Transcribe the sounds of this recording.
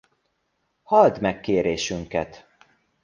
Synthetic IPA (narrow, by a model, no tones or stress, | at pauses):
hɒld̪mɛkːeːɾeːʃyŋkɛt̪